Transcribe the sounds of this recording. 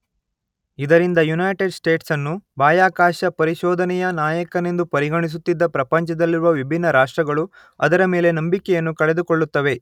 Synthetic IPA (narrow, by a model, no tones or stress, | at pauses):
id̪ɐɾind̪ɐjunɐjʈeɖsʈe̞ːʈsɐnːubaːjaːkaːʃɐpɐɾiʃɔːd̪ʱɐnɛjɐnaːjɐkɐne̞nd̪upɐɾiɡɐɳis̬ut̪ːid̪ːɐpɾɐpɐɲt͡ʃɐd̪ɐlːiɾuʋɐʋibʱinːɐɾaːʂʈɾɐɡɐɭu | ɐd̪ɐɾɐme̞ːle̞nɐmbikɛjɐnːukɐɽe̞d̪ukoɭːut̪ːɐʋe̞